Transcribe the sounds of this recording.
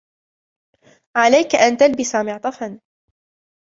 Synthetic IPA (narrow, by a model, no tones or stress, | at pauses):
ʕalajkaʔant̪albɪsamɪʕt̪ˤɑfan